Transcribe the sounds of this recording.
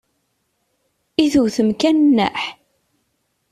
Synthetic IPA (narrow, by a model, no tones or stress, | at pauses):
iθuwθəmkænnːæ̰ħ